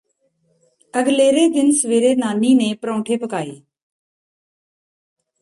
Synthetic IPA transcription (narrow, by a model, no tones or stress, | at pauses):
əɡleːɾeːd̪ɪnsʋeːɾeːnaːniːnẽːpɾõːʈʰeːpəkaːḛː